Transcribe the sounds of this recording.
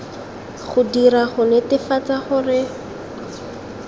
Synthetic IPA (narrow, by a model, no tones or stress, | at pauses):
χʊdiɾaχʊnɛtɪfat͡saχʊrɪ